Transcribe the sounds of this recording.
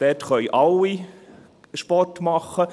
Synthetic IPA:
d̥ɛtχœʏʔɑlːi | ʃpɔtmɑχːə

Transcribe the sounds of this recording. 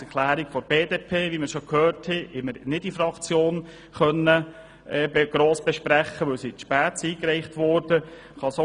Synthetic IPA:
ɛkʰlæːɾiɡfɔɾb̥eːdepʰeːʋiməɾʃokhøːrthɛɛməɾnɪd̥ifɾɑkt͡sjoːn | χœnːə | ɛbɡ̥ɾoːsb̥ɛʃpɾæχːəʋɵwsitʃpæːt͡siːkɾɛɪχtʋɔɾd̥ə | χɑso

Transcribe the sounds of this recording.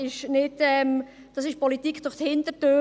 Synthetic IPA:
ɪʃnɪdɛm | d̥ɑsɪʃpɔlitikʰd̥ʊɾχthɪndətøː

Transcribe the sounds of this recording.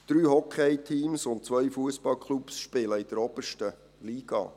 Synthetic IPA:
d̪̥ɾyːhɔkʰɛjtʰiːmsʊnt̚t͡sʋœjfuəsb̥ɑlkʰlupsʃpɪləid̥̪əɾɔb̥əʃtə | liːɡ̥ɑ̰ː

